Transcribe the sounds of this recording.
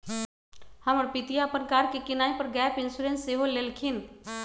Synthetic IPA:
həməɽpɪt̪ijapənkaːɾkekɪnaːipəɾɡɛːpɪ̃nsuɾẽnsːeɦolelkʰɪn

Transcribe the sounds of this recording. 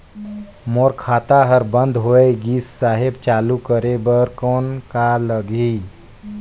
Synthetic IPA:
moːɾkʰaːt̪aɦəɾbə̃nd̪ʱɦoːeɡiːsːaːɦɪbt͡ʃaːlukəɾebəɾkɔːnkaləɡi

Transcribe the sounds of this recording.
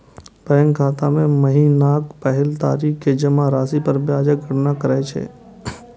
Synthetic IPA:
pɛːŋɡkʰaːt̪amẽmɐɦinaːkpɛɦɛlt̪a̰ːɾiːkked͡ʒɐmaɾaːsipəɾbjaːd͡ʒəkɡʱəɽnakəɾaet͡ʃʰḛː

